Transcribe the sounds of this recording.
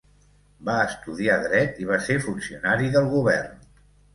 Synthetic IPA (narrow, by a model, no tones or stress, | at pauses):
baəst̪uðiaðɾɛt̪iβ̞asefunsiunaɾiðəlˠɣuβɛrn